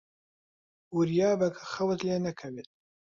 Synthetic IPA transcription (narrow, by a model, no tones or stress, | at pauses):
uɾjaːbɐkʰḁxɐwt̪leːnɐkʰɐwet̪̚